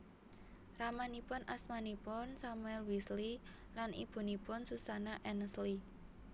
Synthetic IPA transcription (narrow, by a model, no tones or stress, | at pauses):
ramanipʊnʔasmanipʊnsamuɛlwisli | lanḭb̥ṳnipʊnsusanaʔɛnəsli